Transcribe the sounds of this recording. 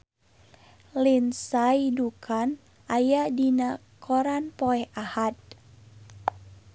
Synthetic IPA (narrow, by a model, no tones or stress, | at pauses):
linsajidukʰan | ʔajadinakʰoɾanpoɛhahat̪̚